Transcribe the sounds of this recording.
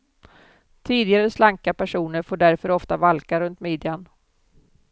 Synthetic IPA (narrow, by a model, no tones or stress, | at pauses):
t̪ʰiːd̪ɪɡaɾəslaŋkapæʂuːnəɾfoːɖæɾfœɾɔft̪avalkaɾɵnt̪meːd̪ɪan